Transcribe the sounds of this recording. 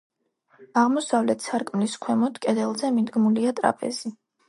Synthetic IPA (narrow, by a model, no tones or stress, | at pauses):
aʁmɔsavlɛt̪ʰsaɾkʼmliskʰwɛmɔt̪ʰkʼɛd̪ɛlˠzɛmid̪ɡmuliat̪ʼɾa̰pʼɛ̰z̥i